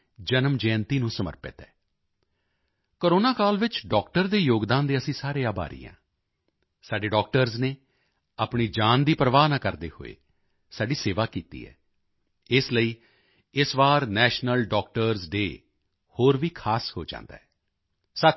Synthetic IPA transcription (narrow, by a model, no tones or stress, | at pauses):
d͡ʒənəmd͡ʒɛ̃ːnt̪iːnũːsəmə̰ɾpə̰t̪ɛ̰ː | koːɾoːnaːkaːlʋɪt͡ʃɖɔːkʈəɾd̪eːjoːɡd̪ãːnd̪eːəsĩːsaːɾeːaːba̰ːɾḭːã̰ː | saːɖeːɖɔːk̚ʈəɾzneː | aːpɳiːd͡ʒaːnd̪iːpɾəʋaːnaːkəɾd̪ḛːho̰ːḛː | saːɖiːseːʋaːkiːt̪ḭːɛ̰ː | ɪsləiː | ɪsʋaːɾnɛːʃnəlɖɔːk̚ʈəɾzɖeː | hoːɾʋiːkʰaːsho̰ːd͡ʒã̰ːnd̪a̰ːɦɛː | sə